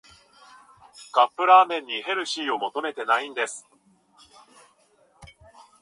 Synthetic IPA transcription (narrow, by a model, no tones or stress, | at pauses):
ɡ̥apːɯ̟ɾaːmẽ̞ɲ̟ːihe̞ɾɯ̟ɕiːo̞mo̞t̪o̞me̞t̪e̞naĩnd̪e̞sɨ̥